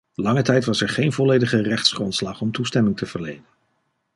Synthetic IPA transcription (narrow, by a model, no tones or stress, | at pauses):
lɑŋətɛjtʋɑsɛɹχejnvɔlejdəχərɛχtsχrɔntslɑχɔmtustɛmɪŋtəv̥əɹlejdən